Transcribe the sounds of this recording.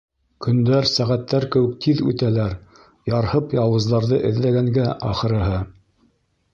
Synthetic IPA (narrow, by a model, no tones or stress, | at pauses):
kʰɵ̆nd̪æɾsæʁæt̪ːæɾkɘ̆wɘ̆k̚t̪ʰiðʉ̰t̪ælæɾ | jɑɾhɤpjɑlˠwɤ̆zðɑɾðɤʔɘ̆ðlæɡæŋɡæʔɑχɤ̆ɾɤ̆ɦɤ